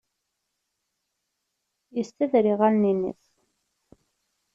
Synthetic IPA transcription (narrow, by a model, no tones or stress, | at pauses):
jəst̪əðɾiʁælninḭθ